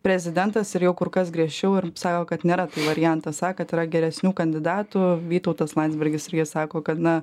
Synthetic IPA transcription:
pʲɾʲɛzʲɪd̪ʲɛnt̪ɐsɪɾjɛʊkʊɾkɐsɡɾʲiɛʃʲt͡ʃʲɛʊɪɾsɑːkoːkɐt̪nʲeːɾɐt̪ɐɪʋɐɾʲɪjɛnt̪ɐsɑːkɐt̪ɪːɾɐɡʲɛɾʲɛsʲnʲuːkɐnʲd̪ʲɪd̪ɑːt̪uʋʲiːt̪ɐʊt̪ɐslˠɐnʲd̪ʲzʲbʲɛɾʲɡʲɪsɪɾjiɛsɑːkoːkɐt̪nɐ

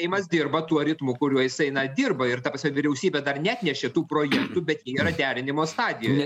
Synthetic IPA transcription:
ɛɪmɐsd̪ʲɪrbɐt̪uɔɾʲɪt̪mʊkʊɾʲuɔjɪsɐɪnɐd̪ʲɪrbɐɪrt̪ɐpɐsʲɛʋʲɪɾʲɛʊsʲiːbʲeːd̪ɐrnʲɛɐt̪ʲnʲɛʃʲeːt̪uːpɾoːjɛkt̪ʊbʲɛt̪jiːiːɾɐd̪ʲæːɾʲɪnʲɪmoːst̪ɑːd̪ʲɪjoːj

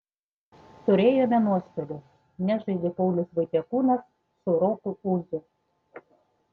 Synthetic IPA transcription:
t̪ʊɾʲeːjoːmʲɛnuɔst̪od̪ʲɛ | nʲɛʒɐɪd̪ʲɪpɔʊlʲʊsʋɐɪt̪ʲɛkuːnɐsː | ʊɾokʊpuːzʲʊ

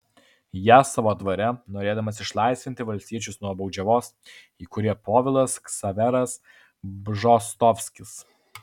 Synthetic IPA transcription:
jæːsɑːʋoːd̪ʋɐɾʲɛnoːɾʲeːd̪ɐmɐsɪʃlˠɑˑɪsʲʋʲɪnt̪ʲɪʋɐlʲst̪ʲiɛt͡ʃʲʊsnuɔbɒʊd͡ʒʲɛʋoːs | iːkʊɾʲiɛpoːʋʲɪlˠɐsksɐʋʲɛɾɐs | bʒɔst̪ɔfʲsʲkʲɪs

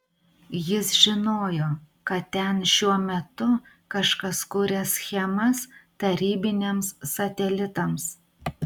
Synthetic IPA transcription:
jɪsʒʲɪnoːjoː | kɐt̪t̪ʲɛnʃʲuɔmʲɛt̪ʊ | kɐʃkɐskuːɾʲɛsʲxʲɛmɐst̪ɐɾʲiːbʲɪnʲeːmsːɐt̪ʲɛlʲɪt̪ɐms

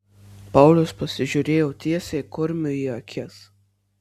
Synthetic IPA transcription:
pɑˑʊlʲʊspɐsʲɪʒʲʊɾʲeːjoʊt̪ʲiɛsʲekʊɾʲmʲʊiɐkʲʰɪs

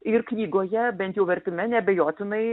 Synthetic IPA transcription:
ɪrknʲiːɡoːjɛbʲɛnt̪jɛʊʋʲɛɾʲt̪ʲɪmʲɛnʲɛbʲɛjoːt̪ʲɪnɐɪ

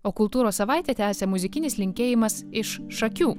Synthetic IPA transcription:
oːkʊlˠt̪uːɾoːsːɐʋɐˑɪt̪ʲet̪ʲæːsʲemʊzʲɪkʲɪnʲɪslʲɪŋʲkʲeːjɪmɐsɪʃʃɐkʲuː

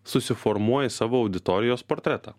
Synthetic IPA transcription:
sʊsʲɪfɔɾmuɔjɛsɑːʋoːɐʊd̪ʲɪt̪ɔɾʲɪjoːspoːɾʲt̪ʲɾʲɛt̪ɑ̰ː

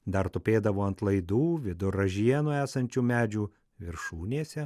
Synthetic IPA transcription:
d̪ɐɾt̪ʊpʲeːd̪ɐʋoːɐnt̪lˠɐɪd̪uːʋʲɪd̪ʊɾɐʒʲiɛnʊæːsɐnʲt͡ʃʲuːmʲæːd͡ʒʲuː | ʋʲɪɾʃuːnʲeːsʲɛ

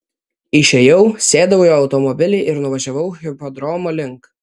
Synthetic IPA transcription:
ɪʃʲejɛʊsʲeːd̪ɐʋɐʊjoːɐʊt̪ɔmɔbʲɪlʲɛɪʔɪɾnʊʋɐʒʲɛʋɐʊɣʲɪpod̪ɾɔːmoːlʲɪŋk

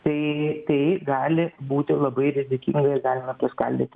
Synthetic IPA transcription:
t̪ɐt̪ɐɪɡaːlʲɪbuːt̪ʲɪlˠɐbɐɪɾʲɪzʲɪkʲɪ̰ŋɡɐjɡaːlʲɪmɐpʲɐska̰lʲd̪ɪt̪ʲ

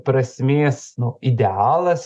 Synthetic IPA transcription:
pɾɐsʲmʲeːsnʊɪd̪ʲɛɑːlˠɐs

